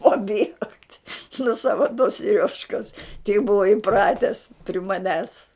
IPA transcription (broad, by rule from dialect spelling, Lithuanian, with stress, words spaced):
pɐˈbʲiɛktʲ nʊ ˈsɑːʋɐ toː sʲɪˈrʲoːʃkɐs tʲɛɪ ˈbʊʋɐ ɪˈprɑːtʲɛs pʲrʲɪ mɐˈnʲæːs